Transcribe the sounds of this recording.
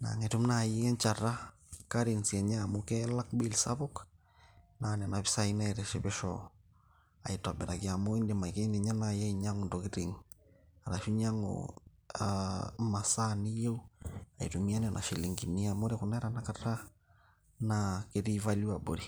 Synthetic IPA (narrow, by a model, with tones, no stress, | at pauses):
na̰˨ŋe˨tu˦mna˨ji˦ŋɛ˦ɲt͡ʃa˨ɾa˦ | kaɾi˨nsɛ˨ɲamokɛ˦la˦kbi˦lsa̰βɔk | nanɛ˨na˨βi˦saina˦ɛɾɛʃɛbɛʃɔ | a˨ita˨bɛ˨ɾakia˨mo˦i˦ndema˨ike˦ndi˨ɲa˦naja˦i˨ɲa˦ŋo˨ntoki˦ɾiŋa˨ɾaʃu˦ɲa˦ŋo̰ | ama˨sa˦ni˦je˦u˦a˨ḭ˨tu˨mi˦a˦ni˦ɔnʔa̰˨ʃi˨li˨ŋɡi˨ni˦amo˦ɾekuna˦ɾanaka˦ɾa˦ | nake˦ɾi˦va˦li˦abo˨ɾi